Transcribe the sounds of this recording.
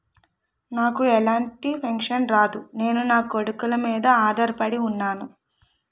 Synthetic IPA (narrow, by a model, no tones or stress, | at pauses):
naːkuɛlaːɳʈipʰɐŋkʂɐnɾaːd̪une̞ːnunaːkoɽukulɐmiːd̪ɐaːd̪ɐɾpɐɽiunːaːnu